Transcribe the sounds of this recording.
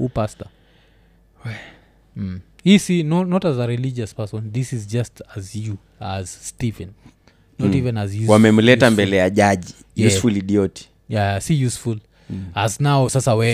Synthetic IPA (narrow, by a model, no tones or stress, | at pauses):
upasta | hisinɔnɔtazaɾilid͡ʒaspɛsɔ̃nðisizd͡ʒastazju | az̥stivɛ̃n | nɔtivɛ̃nazjuwamɛm̩lɛtambɛlɛjaʄaʄi | jjuɛsfuliɗiɔti̥ | jajasijusful | aznaɔsasawɛ